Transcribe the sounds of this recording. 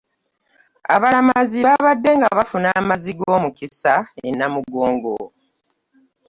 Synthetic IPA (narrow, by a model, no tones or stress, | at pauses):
a̰βalamaziβaβadːe̞ŋɡaβafunaːmaziɡo̞ːmukisaḛnːamuɡoːŋɡo